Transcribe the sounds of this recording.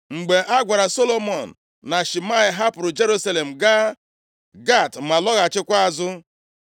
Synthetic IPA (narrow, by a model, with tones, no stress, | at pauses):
ŋ͡m̩˨ɡ͡be˨ʔa˦ɡʷa˨ɾa˨so˦lo˦mɔ˨n̩˨ | na˨ʃi˨ma˦ɪ˨ɦa˦pʊ˨ɾʊ˨d͡ʒe˦ɾu˦sa˦le˨m̩˨ɡa˦ | ɡa˦˨tma˨lɔ˦ɣa˨t͡ʃɪ˦kʷa˦a˦˨zʊ˦